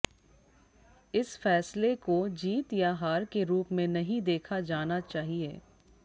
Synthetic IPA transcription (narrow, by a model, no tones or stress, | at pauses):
ɪsfɛːslekod͡ʒiːt̪jaɦaːɾkeɾuːpmẽnɐɦĩd̪eːkʰad͡ʒaːnat͡ʃaːɦieː